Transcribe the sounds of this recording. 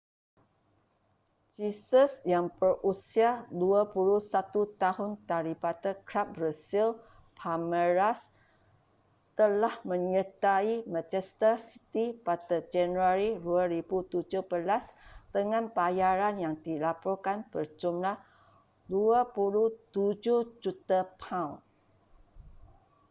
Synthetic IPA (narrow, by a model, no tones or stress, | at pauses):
d͡ʒisəsjaŋbərusiaduapulusat̪ut̪aɦʊnt̪aɾipat̪əkɾap̚brasil | pʰaməɾas | t̪əlahmə̃ɲət̪aimãt͡ʃɛst̪əsi̥t̪ipat̪əd͡ʒanuaɾiduaɾibut̪ud͡ʒuhbəlasd̪̥əŋãnbajaɾanjaŋd̪ilapɔrkanbərd͡ʒumlah | duapuluht̪ud͡ʒuhd͡ʒut̪apʰãwn